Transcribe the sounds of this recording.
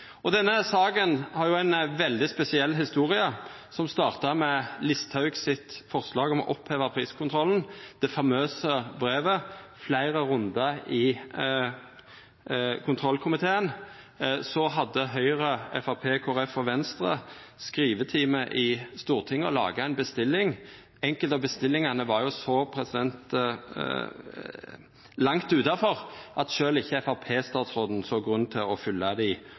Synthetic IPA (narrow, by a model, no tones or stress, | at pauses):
ɔd̪ɛnːəsɑːɡənhɑʁjʊæɪnʋɛld̪ɪspɛsɪɛlːɦɪst̪uːʁɪɑ | sɔmst̪ɑːʁt̪ɑmɛlɪst̪hɑʉɡsɪt̪fɔʁslɑːɡɔmɔ̰ʔɔpʰheːʋəpʰʁiːskʰʊnt̪ʰʁɔln̩d̪̥ɛfɑmøːsəbʁeːʋəflæɪʁəɾʉnd̪əɪ | kʰʊnt̪ʰʁɔlkʰʊmɪt̪ʰeːən | sɔɦɑd̪ːəɦœʏʁəɛfɑpʰeːkʰʊːɾɛfːɔʋɛnst̪ʁə̰skʁiːʋət̪ʰiːməʔɪst̪uːʁt̪ʰɪŋːəɔlɑ̰ːɡɑæɪnbəst̪ɪlːɪŋ | ɛŋkəlt̪ɑbəst̪ɪlːɪŋɑnəʋɑɾjʊsɔpʰɾɛsɪd̪ɛnt̪ | lɑŋt̪ʉːt̪ɑfɔʁʔɑt̪ʃøːlɪçːəɛfɑpʰeːst̪ɑːt̪sʁoːd̪n̩sɔɡʁʉnːt̪ʰɪlɔfʏlːɑd̪ɪ